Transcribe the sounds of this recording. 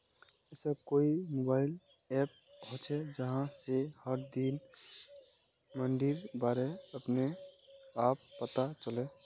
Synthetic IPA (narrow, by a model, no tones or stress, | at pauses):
ɛsəkoːimobaːɪl | ɛːp̚ɦot͡ʃʰed͡ʒəɦãsehəɾd̪in | məɳɖiɾbaːɾeəpne | aːpːət̪at͡ʃəle